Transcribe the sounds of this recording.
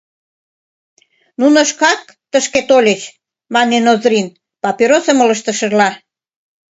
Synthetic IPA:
nunoʃkɑk̚ | t̪əʃket̪olʲət͡ɕ | mɑnenozɾin | pɑpiɾosə̆molə̆ʃt̪əʃə̆rlɑ

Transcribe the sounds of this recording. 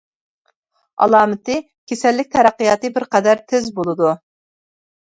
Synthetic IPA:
ɑ̰lˠɑːmɨt̪ɪ | kʲʰesɛlːɪk̚ʲt̪ʰɛɾæqːijɑːt̪ɨbɪɾqɛd̪æɾt̪ʰɪzbolˠɨd̪u

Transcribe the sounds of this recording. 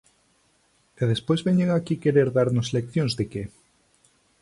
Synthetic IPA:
eð̞espojzβeɲeŋakikeɾeɾðaɾnʊslekθjõŋzðeke

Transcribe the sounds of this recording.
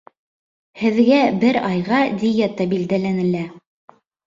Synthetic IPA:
hɘ̆ðɡæbɘɾɑjʁɑd̪ʲijæt̪ɑbild̪ælænɘ̆læ

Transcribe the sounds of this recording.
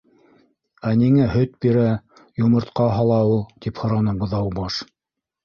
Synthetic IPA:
æniŋæhɵt̪̚biɾæ | jŏmɤ̆ɾt̪qɑɦɑlˠɑulˠt̪iphŏɾɑnɤbŏðɑwbɑʃ

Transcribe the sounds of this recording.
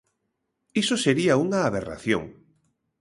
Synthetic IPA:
isoseɾiauŋaːβ̞era̰θjo̰ŋ

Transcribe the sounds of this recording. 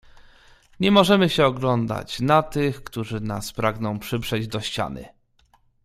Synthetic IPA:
ɲɛmɔʐɛmɘɕɛɔɡlɔnd̪a̰t͡ɕnat̪ɘxkt̪uʐɘna̰spɾaɡnɔ̃w̃pʂɘbʐɛd͡ʑd̪ɔɕt͡ɕa̰nɘ̰

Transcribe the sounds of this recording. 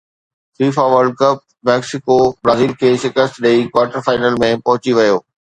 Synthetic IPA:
fiːfaʋəɾɖ̚kɐp̚ | mɛːksɪkobɾaːziːlkʰeːʃɪkəst̪ɗeikʋaːɾʈəɾfaːɪnəlmẽpɐɦʊt͡ɕiʋɐjoː

